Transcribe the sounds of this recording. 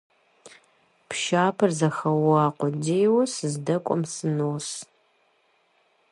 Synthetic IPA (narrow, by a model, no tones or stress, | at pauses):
pʰʃaːpʰɐrzɐxɐwʊaːqʷɔdejwɐsɨzdɐkʷʼɔmsɨnoːs